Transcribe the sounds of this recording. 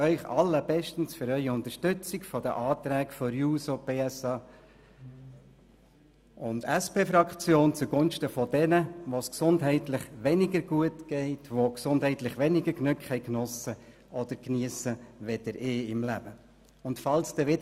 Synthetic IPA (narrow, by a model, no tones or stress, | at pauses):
œʏχɑ̰lːəbɛʃtn̩sfʏɾœʏiʊnt̪əɾʃtʏt͡sɪkfɔd̥əʔɑːt̪ɾæːkfɔɾjuːsopeːɛsɑː | ʊndæspeːfɾɑkχt͡sjoːnt͡suɡʊnʃtəfɔdɛnəʋosksʊndɦɛɪtlɪχʋɛnɪɡəɾɡ̥uətɡ̥ɛɪtʋoksʊndhɛɪtlɪχʋɛnɪɡəɾknʉkχhɛɪjknɔsə | ʔɔd̥̪əɾkniəsəʋɛd̥̪əɾɪːɪmlæb̥ə | ʊntfɑlsd̥̪ɛʋɪd